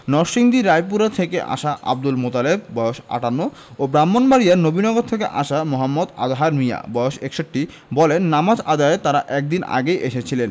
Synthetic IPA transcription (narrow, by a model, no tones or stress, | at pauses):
nɔɾʃiŋd̪iɾajpuɾat̪ʰekeʔa̰ʃaʔa̰b̚d̪ulmot̪aleb̚ːɔeoʃa̰ʈanːo | obɾamːonbaɾijaɾnobinɔɡod̪̚t̪ʰek̬ḛʔa̰ʃamɔɦamːod̪a̰d̪ɦaɾmija̰bɔjoʃekʃoʈːi | bɔlenːamad͡ʑad̪aet̪aɾaʔɛk̚d̪ina̰ɡejʔeʃet͡ɕʰilen